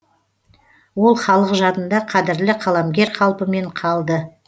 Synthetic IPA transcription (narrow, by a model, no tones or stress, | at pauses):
wo̞lˠχɑlˠəqʒɑt̪ənd̪ɑqʰɑd̪ɪɾlɪqʰɑlˠɑmɡʲe̞ɾqʰɑlˠpəme̞ɴqʰɑlˠd̪ə